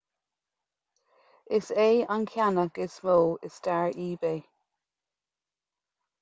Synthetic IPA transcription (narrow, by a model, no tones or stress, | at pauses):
ɪseːankʰjanəɡ̥ɪsmolɪsd̥aɹiːbeː